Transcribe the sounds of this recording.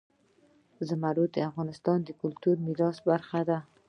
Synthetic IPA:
zamaɾud̪ɪafɣɑnɪst̪ɑnd̪əkʊlt̪uɾmiɾɒsbaɾχad̪a

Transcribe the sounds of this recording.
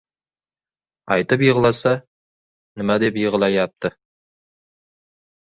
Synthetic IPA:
ɑjt̪əpjiʁəlˠɑsɑ | nɪmæd̪e̞pjiʁəlˠɑjɑp̚t̪ə

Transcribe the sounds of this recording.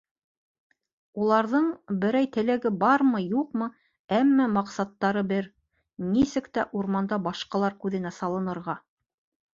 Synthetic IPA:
ulˠɑɾðɤɴbɘ̆ɾæjt̪ɘ̆læɡɘbɑɾmɤjuqmɤ | æmːæmɑqsɑt̪ːɑɾɤbɘɾ | nisɘkt̪æʔuɾmɑnd̪ɑbɑʃqɑlˠɑɾkʉðɘ̆næsɑlˠɤ̆nɤ̆ɾʁɑ

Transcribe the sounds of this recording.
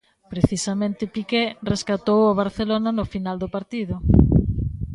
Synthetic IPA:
pɾeθisamẽnt̪ɪpikereskat̪owoβ̞aɾθelonanʊfinald̪opaɾt̪iðʊ

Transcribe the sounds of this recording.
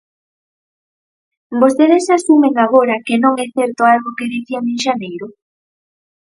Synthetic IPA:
bost̪eðesasumeŋaɣ̞oɾakenõŋɛθɛɾt̪oalɣokeðiθianeŋʃanejɾʊ

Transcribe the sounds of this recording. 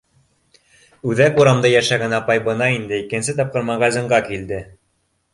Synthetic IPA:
ʉðækuɾɑmd̪ɑjæʃæɡænɑpɑjbɤ̆nɑind̪ɘikɘ̆nsɘt̪ɑp̚qɤ̆ɾmɑʁɑzɤ̆ɴɢɑkild̪ɘ

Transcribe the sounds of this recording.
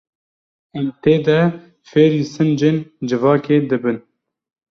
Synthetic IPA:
ɛmt̪eːd̪ɛ | feːɾiːsɨnd͡ʒeːnd͡ʒɨvɑːkeːd̪ɨbɨn

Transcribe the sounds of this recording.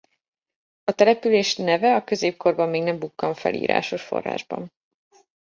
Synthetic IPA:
ɒt̪ɛlɛpyleːʃnɛvɛɒkø̞zeːp̚ko̞rbɒmːeːɡnɛmbukːɒɱfɛ̰lḭːɾa̰ːʃo̞ʃfo̞̰rːa̰ːʒbɒ̰n

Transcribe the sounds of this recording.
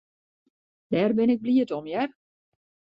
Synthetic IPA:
d̥ɛrbɪnɪk̚bliətɔmjɛr

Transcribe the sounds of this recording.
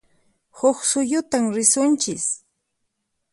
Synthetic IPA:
hʊxsʊjʊt̪amɾɪsʊnt͡ʃɪs

